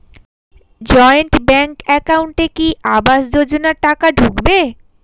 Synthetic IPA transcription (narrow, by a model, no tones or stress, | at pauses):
d͡ʑɔeeɳʈbɛŋkɛkawɳʈekiʔabaʃd͡ʑod͡ʑonaɾʈakaɖʱukbe